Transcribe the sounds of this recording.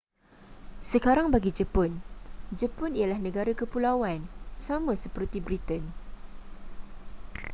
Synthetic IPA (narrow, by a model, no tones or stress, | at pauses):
səkaɾaŋbaɡid͡ʒəpʊnd͡ʒəpʊnijalahnə̃ɡaɾakəpulawansamãsəpərt̪ibɾit̪ən